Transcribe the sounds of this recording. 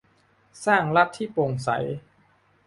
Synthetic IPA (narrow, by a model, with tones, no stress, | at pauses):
saː˥˩ŋɾa˦˥t̪ʰːiː˥˩po˧ŋsa̰˩˦j